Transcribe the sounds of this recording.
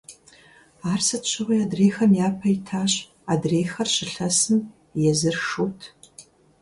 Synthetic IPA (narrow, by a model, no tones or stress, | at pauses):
aːrsɐtɕʰɨwijaːdreːxɐmjaːpʰɐjɪtʰaːɕ | adreːxɐrɕɪɬɐsɨm | jɛzɨrʂuːtʰ